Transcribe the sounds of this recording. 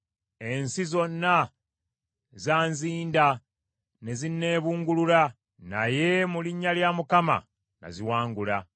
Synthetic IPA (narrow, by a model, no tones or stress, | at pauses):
e̞nsizo̞nːa | zaːnziːnda | ne̞zine̞ːβuːŋɡulula | na̰je̞muliɲːaljaːmukama̰ | na̰ziwaːŋɡula